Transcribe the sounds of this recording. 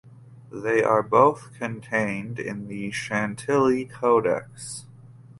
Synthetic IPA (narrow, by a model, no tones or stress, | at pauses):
ðeɪʔə˞boʊθkʰɨ̃ntʰẽɪ̃ndɪ̰̃nðɨʃæ̃ntʰɪlˠitʰoʊɾɛ̰ks